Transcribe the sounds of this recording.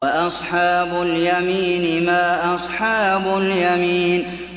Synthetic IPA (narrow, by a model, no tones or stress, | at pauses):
aʔɑsˤħɑːbʊljamiːnɪmaːʔɑsˤħɑːbʊljamiːn